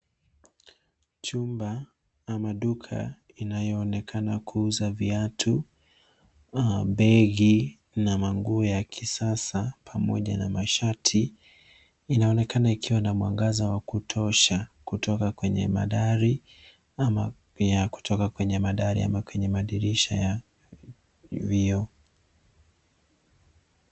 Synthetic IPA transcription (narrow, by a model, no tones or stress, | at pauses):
t͡ʃumba | amaɗukʰa̰ | inajɔːnɛkʰanakʰuuzaviatʰu | ɓɛɣi | namaŋɡuɔjakʰisasapʰamɔ̰ʄa̰na̰maʃatʰi | inaɔnɛkanaikiwanamwa̰ŋɡazawakutʰɔʃakutʰɔkakwɛɲɛ̰ma̰ɗaɾi | ama | jaku̥tʰɔkakwɛɲɛmaɗaɾḭa̰makwɛɲɛmaɗiɾiʃa̰ja | viɔ